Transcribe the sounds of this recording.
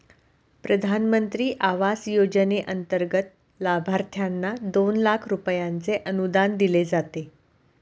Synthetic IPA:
pɾəd̪ʱanmənt̪ɾiːʔaʋasjod͡ʑəneʔənt̪əɾɡət̪ | labʱaɾt̪ʰjanːad̪onlakʰɾupjant͡seʔənud̪and̪iled͡zat̪e

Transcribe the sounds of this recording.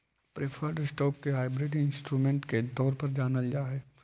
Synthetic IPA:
pɾepʰəɾɖsʈɔːp̚keɦaːɪbɾɪɖiɪ̃nsʈɾuːmẽɳʈket̪ɔːɾpɐɾd͡ʒaːnəld͡ʒaːɦɛː

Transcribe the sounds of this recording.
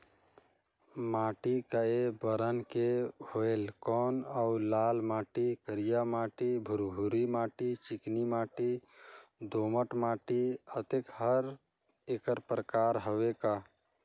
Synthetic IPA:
maʈikaebəɾənkehoelkɔnəulalmaːʈikəɾijamaʈibʱuɾbʱuɾimaʈit͡ʃiknimaʈi | d̪oməʈmaʈiət̪ekhəɾ | ekəɾpɾəkaɾɦəʋeka

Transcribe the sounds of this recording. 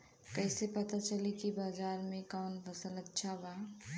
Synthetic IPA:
kɐɪsepɐt̪at͡ʃəlikibaːzaːɾmẽkɔːnfɐsələt̪ːʃʰaba

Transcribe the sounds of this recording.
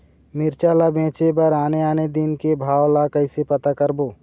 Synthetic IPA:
mɪɾt͡ʃaːlabẽːt͡ʃebəɾaːneaːned̪ɪnkebʱaːwlakɐɪsepɐt̪akəɾboː

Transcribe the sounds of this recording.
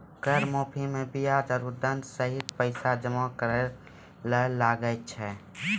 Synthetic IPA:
kəɾmoːpʰimẽbijad͡ʒəɾud̪ə̃nd̪səɦit̪̚pəɪsad͡ʒəmãkəɾe | ləlaːɡəjt͡ʃʰɛː

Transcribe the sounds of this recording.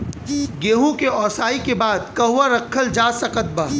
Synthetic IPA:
ɡeːɦõkeɔːsaːikebaːd̪kɐɦʋaɾɐkʰːəld͡ʒaːsɐkət̪̚baː

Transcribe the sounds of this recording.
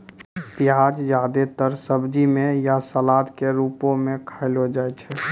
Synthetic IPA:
pjad͡ʒd͡ʒad̪et̪əɾsəbd͡ʒimẽjasəlaːd̪keɾuːpõmẽkʰaɪlod͡ʒaɛt͡ʃʰɛ

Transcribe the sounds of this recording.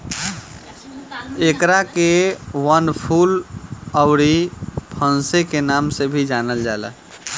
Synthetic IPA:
ekɾakewənpʰuləwɾipʰə̃nsekenamsebʱid͡ʒanəld͡ʒalə̰

